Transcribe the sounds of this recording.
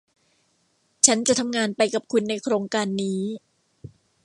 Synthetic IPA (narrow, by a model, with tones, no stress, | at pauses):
t͡ɕʰa˦˥nt͡ɕa˨ʔt̪ʰa˧mŋaː˧npa˧jka˨˩p̚kʰu˧nːa˧jkʰɾoː˧ŋkaː˧nːiː˦˥